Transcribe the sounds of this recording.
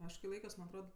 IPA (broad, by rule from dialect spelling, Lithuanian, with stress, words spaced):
ˈɐʃ kɐɪ ˈlˠɐɪkʲoːs mɐnʲ ɐtˈroːt